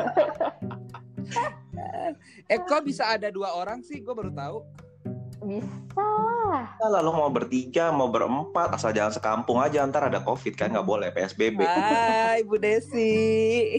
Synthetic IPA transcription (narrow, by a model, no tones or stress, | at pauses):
ɛkobisaːdaduaoɾaŋsɪhɡuabaɾut̪au | bisa | alalumaubərt̪iɡamawbəɾə̰mpat̪̚asald͡ʒalansəkampʊŋad͡ʒaːnt̪aɾadakofɪt̪̚kaaŋɡaʔbolɛpeɛsbebɛajbudɛsɪ